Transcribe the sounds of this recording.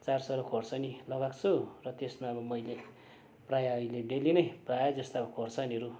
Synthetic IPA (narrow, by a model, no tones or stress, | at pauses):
t͡sarsʌɾʌkʰorsʌnilʌɡakt͡sʰurʌt̪esmaʌbʌmʌjle | prajaʌileɖelinʌjprajad͡zʌst̪abʌkʰorsʰʌniʌɾu